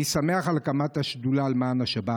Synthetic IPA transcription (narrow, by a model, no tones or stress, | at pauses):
isameaχalkamataʃdulaːlmaːnaʃaba